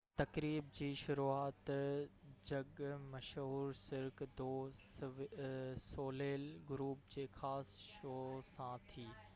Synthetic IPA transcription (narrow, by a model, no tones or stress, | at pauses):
t̪ɐkɾiːb̚d͡ʑiːʃʊɾuːaːt̪ | d͡ʑɐɠmɐʃɦuːɾsɪɾkd̪oː | soːleːlɡʊɾuːp̚d͡ʑeːxaːsʃoːsãt̪ʰiː